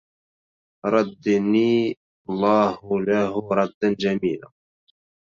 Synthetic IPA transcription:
ɾˤɑd̪ːniː | lˤːɑːhlaɦʊɾˤɑd̪ːand͡ʒamiːla̰

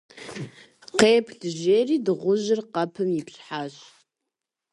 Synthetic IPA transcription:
qeːpʰɬɨʒeːriːdɨʁʷʊʒɪrqɐpʰɨmjɪɬħaːɕ

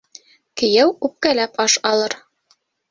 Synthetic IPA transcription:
kɘ̆jæwʉp̚kælæpɑʃɑlˠɤɾ

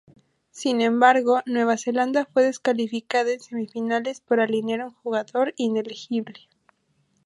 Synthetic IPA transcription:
sinẽ̞mbaɾɣo̞nwe̞β̞ase̞land̪afwe̞ðe̞skalifikaðaense̞mifinale̞spoɾalinjaɾuŋxuɣaðo̞ɾine̞lixiβle

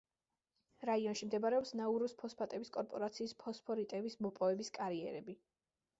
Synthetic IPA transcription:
ɾaiɔnʃimd̪ɛbaɾɛɔpsnauɾuspʰɔspʰat̪ʼɛbiskʼɔɾpʼɔɾat̪sʰiːspʰɔspʰɔɾit̪ʼɛbismɔpʼɔvɛbiskʼaɾiɛ̰ɾɛbi

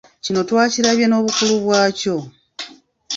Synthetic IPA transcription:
cino̞twaːciɾaβjeno̞ːβukuluβwaːco̞

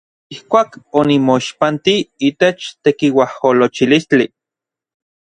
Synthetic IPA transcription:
ihkʷaːkonimoiʃpant̪iiːt̪et͡ʃt̪ekiwaholot͡ʃilist͡ɬi

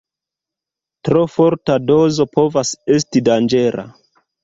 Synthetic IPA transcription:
tɾo̞fo̞ɾtado̞zo̞po̞vase̞s̬tidand͡ʒe̞ɾʔa̰

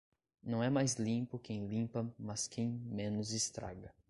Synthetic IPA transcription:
nɐ̃w̃ɛmajzlĩpʊkẽj̃lĩpɐmɐskʰẽj̃mẽnʊzɪst̪ɾa̰ɡɐ

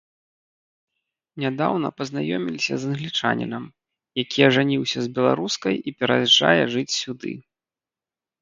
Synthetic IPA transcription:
nʲad̪awnɐ̰pɐznajɔmʲilʲisʲɐ̰zɐnɣlʲit͡ʂa̰nʲḭnɐm | jakʲiɛʐanʲiwsʲɐzbʲɛlˠa̰ɾuskɐjipʲɛɾɐʐa̰jɛʐɨt͡sʲsʲud̪ɨ̰

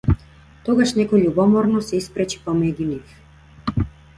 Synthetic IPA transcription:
t̪ɔɡaʃnɛkɔɛʎubɔmɔɾnɔsɛispɾɛt͡ʃi̥pɔmɛɟunif

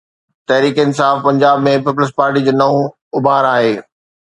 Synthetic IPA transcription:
t̪ɐɦɾiːkinɪsaːfpɐ̃ɲd͡ʑaːbmẽpip̬ləs̬paːɾʈid͡ʑoːnɐɦũ | ʊbaːɾaːɦeː

